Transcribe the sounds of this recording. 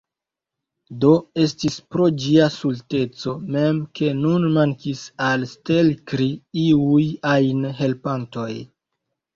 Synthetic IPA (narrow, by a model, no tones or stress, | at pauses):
do̞e̞stispɾo̞d͡ʒiasulte̞t͡so̞me̞mke̞nunmaŋkisalste̞lkɾiiujajnɦe̞lpanto̞j